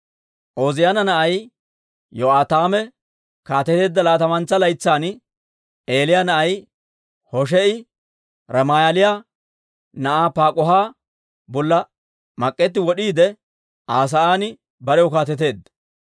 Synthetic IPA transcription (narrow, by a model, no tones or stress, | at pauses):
ʔoːzɪjanɐnɐʔɐj | jɔaːt̪aːmɛ | kaːt̪ɛt̪e̞ːd̪ːɐlaːt̪ɐmɐnt͡sːɐlɐjt͡sːaːn | e̞ːlɪjaːnɐʔɐj | hɔʃ̬ɛɪ | ɾɐmaːjɐlɪjaː | nɐʔaːpaːkʼɔɦaː | bɔlːɐ | mɐkʼːɛt̪ːɪwɔɗiːd̪ɛ | ʔaːs̬ɐaːnɪ | bɐɾɛjɔkaːt̪ɛt̪e̞ːd̪ɐ